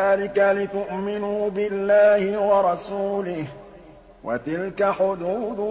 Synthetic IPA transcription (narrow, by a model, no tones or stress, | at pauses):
aːlɪkalɪt̪ʊʔmɪnuːbɪlːaːhɪwɑɾˤɑsuːlɪh | wʔa̰t̪ɪlkaħʊd̪uːd̪